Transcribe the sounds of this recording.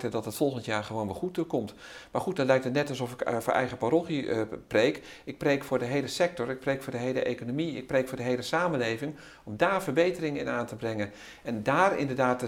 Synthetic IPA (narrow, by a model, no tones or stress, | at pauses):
tədɑtɦətfɔlˠχəntjaːɹχəʋownʋɪχut̚dəkɔmt | maːɹχut̚dɔtlɛjk̚tətnɛtɑlˠsɔfɪkfːɹʔɛ̰jχəpaɾoχəprejk | ɪk̚prejkfʊːɹdəɦejləsɛk̚tɔɹɪk̚prejkfʊːɹdəɦejləʔejkonomiɪ̰k̚prejkfʊːɹdəɦejləsaːməlejvɪŋ | ɔmdaːɹvəɹbejtərɪŋɪ̰naːntəbrɛŋən | ɛndaːrɪ̰ndəɹdaːt